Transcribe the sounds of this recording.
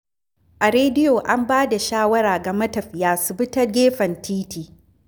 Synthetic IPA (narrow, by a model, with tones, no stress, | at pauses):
ʔa˨ɾeː˦dɪ˦joː˨ʔa˦mbaː˦da˨ʃaː˦wɐ˦ɾaː˨ɡɐ˨mɐ˦tɐ˨ɸjaː˨sɪ˨bɪ˦tɐ˦rɡʲeː˦ɸɐ˨ntʰiː˦tiː˨